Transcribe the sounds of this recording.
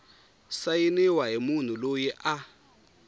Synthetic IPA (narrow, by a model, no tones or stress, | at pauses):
sajiniwaɦimun̤ulojɛʔa